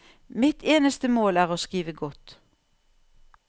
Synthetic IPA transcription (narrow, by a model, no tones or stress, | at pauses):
mɪt̪ʰeːnəst̪əmoːlæːʁoːskiːʋəɡɔt̪